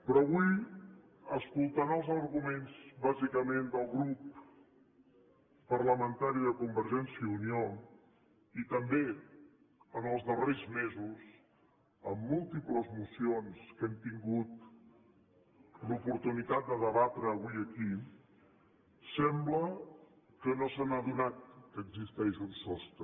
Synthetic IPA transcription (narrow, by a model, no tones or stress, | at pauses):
pɾɔβuj | əskulˠt̪anəlˠzərɣumenzβazikəmend̪əlˠɣɾup | ərləmənt̪aɾiðəkumbəɾʒɛnsiəunio | it̪əmbe | ənəlˠzðərezmezus | əmːulˠt̪ipləzmusionskɛmt̪iŋɡut̪ | lupuɾt̪unit̪at̪̚d̪əðəβat̪ɾəːβ̞uiəki | sɛmblə | kənosanaðunat̪̚kəːɡzist̪ɛʒənsɔst̪ə